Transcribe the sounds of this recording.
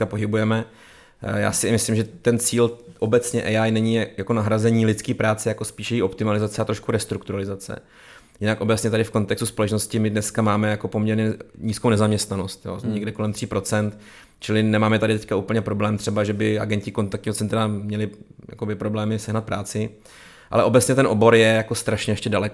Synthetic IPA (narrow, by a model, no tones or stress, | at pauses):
apo̞ɦɪbujɛmɛ | ja̰ːsɪmɪslɪmʒɛt̪ɛnt͡siːlʔo̞bɛt͡sɲɛʔɛjajnɛɲɪjako̞naɦɾazɛɲiːlɪt̪t͡skiːpɾaːt͡sɛjako̞spiːʃjɛjiːʔo̞pt̪ɪmalɪzat͡sɛat̪ɾo̞ʃkuɾɛst̪ɾukt̪uɾalɪzat͡sɛ̰ | jɪnakʔo̞bɛt͡sɲɛt̪adɪfko̞nt̪ɛkst̪u̥spo̞lɛt͡ʃno̞scɪmɪdnɛskamaːmɛjako̞po̞mɲɛɾɲɛɲiːskownɛzamɲɛst̪nano̞st̪jo̰ɲɛɡdɛko̞lɛmt̪r̝̥iːpɾo̞t͡sɛnt̪ | t͡ʃɪlɪnɛmaːmɛt̪adɪt̪ɛckauːpl̩ɲɛpɾo̞blɛːmt̪r̥ɛbaʒɛbɪa̰ɡɛncɪko̞nt̪ak̚tɲiːɦot͡sɛnt̪ɾamɲɛlɪja̰ko̞bɪpɾo̞blɛːmɪsɛɦnat̪̚pɾaːt͡sɪ | ʔa̰lɛʔo̞bɛt͡sɲɛt̪ɛnʔo̞bo̞ɾjɛjakost̪ɾaʃɲɛjɛʃcɛdalɛk